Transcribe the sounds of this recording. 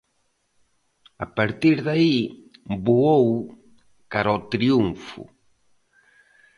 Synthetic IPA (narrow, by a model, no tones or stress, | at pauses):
apaɾt̪iɾðaibuow | kaɾɔt̪ɾiuɱfʊ̰